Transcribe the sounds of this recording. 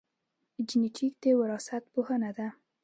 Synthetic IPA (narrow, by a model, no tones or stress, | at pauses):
d͡ʒɪneʈʰik̚d̪ewəɾɑsat̪̚pohənad̪a